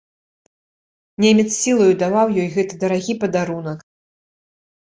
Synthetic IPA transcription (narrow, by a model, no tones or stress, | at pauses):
nʲemʲɛt̪ssʲilˠɐjud̪avawjɔjɣɛt̪ɨd̪ɐɾaɣʲipɐd̪aɾun̪ɐk